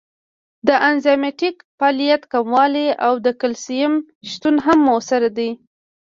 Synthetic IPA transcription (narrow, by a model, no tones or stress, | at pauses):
d̪əʔanzameʈik | pɑlijat̪kamwɑleawd̪əkəlsijəm | ʃt̪unɦamːosaɾad̪i